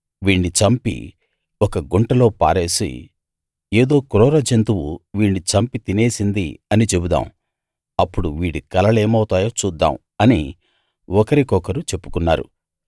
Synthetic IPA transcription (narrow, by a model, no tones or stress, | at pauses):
ʋiːɳːit͡ʃɐmpḭ | ɔkɐɡuɳʈɐlo̞ːpa̰ːɾe̞ːsḭ | eːd̪o̞ːkɾɔːɾɐd͡ʒent̪uwuʋiːɳːit͡ʃɐmpit̪ine̞ːsind̪ḭɐnit͡ʃe̞bud̪a̰ːm | ɐpːuɽuʋiːɽikɐlɐle̞ːmɐwut̪aːjoːt͡ʃuːd̪ːa̰ːm | ɐni | ɔkɐɾikɔkɐɾut͡ʃe̞pːu̥kunːa̰ːɾṵ